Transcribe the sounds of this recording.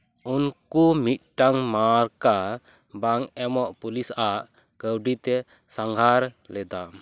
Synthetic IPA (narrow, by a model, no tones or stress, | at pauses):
unkumit̪̚ˀʈaŋmaɾka | baŋɛmɔʔpulisʔaʔ | kəwɖit̪ɛ | saŋɡʱaɾlɛd̪a